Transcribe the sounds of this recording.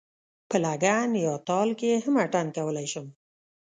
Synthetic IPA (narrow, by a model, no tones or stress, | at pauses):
pəlaɡanjɑt̪ɑlkeehamaʈankawəlajʃəm